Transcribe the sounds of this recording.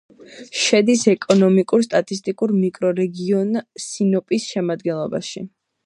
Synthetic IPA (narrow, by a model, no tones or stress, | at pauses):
ʃɛd̪isɛkʼɔnɔmikʼuɾst̪ʼat̪ʼist̪ʼikʼuɾmikʼɾɔɾɛɡiɔnsinɔpʼisʃɛmad̪ɡɛnlˠɔba̰ʃi